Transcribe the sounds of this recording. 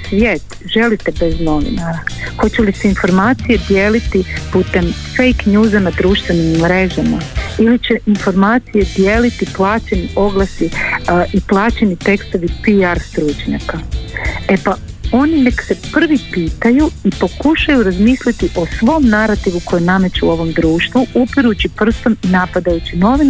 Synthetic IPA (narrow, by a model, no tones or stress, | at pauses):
sʋjeːt̪ | ʒe̞lit̪ebe̞zno̞ʋḭnaɾaxo̞t͡ɕeliseinfo̞ɾmaːt̪sije̞d̪je̞ːlit̪iput̪e̞mfe̞jknjuːzanad̪ɾuːʃt̪ʋe̞nimːɾe̞ʒamailit͡ɕe̞info̞ɾmaːt̪sije̞d̪jeːlit̪iplˠaːt͡ɕe̞niʔo̞ɡlˠasiʔiplˠaːt͡ɕenit̪e̞kst̪o̞ʋipiaɾst̪ɾuːt͡ʃɲa̰ka | e̞pao̞nine̞kse̞pr̩ʋipiːt̪ajuipo̞kuʃajuɾazmiːslit̪iʔo̞sʋo̞mnaɾat̪iʋuko̞jename̞t͡ɕeuo̞ʋo̞md̪ɾuːʃt̪ʋuʔupiɾut͡ɕipr̩st̪o̞minapad̪ajut͡ɕino̞ʋin